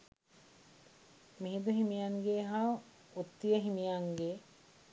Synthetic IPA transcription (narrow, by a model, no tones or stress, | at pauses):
miɦid̪uɦimijaŋɡeːɦaʋ | ut̪ːijəɦimijaŋɡe